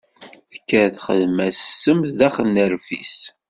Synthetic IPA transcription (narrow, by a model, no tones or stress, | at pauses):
θə̥kːæθχəðmæssːəmðæχənːəɾfḭs